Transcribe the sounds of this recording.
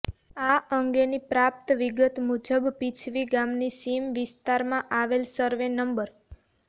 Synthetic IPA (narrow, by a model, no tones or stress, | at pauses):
aʔəŋɡenipɾap̚t̪ʋiɡət̪mud͡ʒəbpit͡ʃʰʋiɡamnisimʋɪst̪aɾmãʔaʋelsəɾʋenəmbəɾ